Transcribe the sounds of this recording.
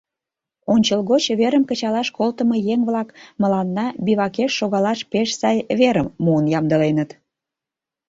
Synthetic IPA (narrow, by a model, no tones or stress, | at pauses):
onʲt͡ɕəlɣot͡ɕβeɾəmkət͡ɕɑlɑʃkolt̪əməjeŋβlɑkmə̆lɑnːɑbiβɑkeʃːoɣɑlɑʃpeʃsɑjβeɾəmːuənjɑmd̪əlenət̪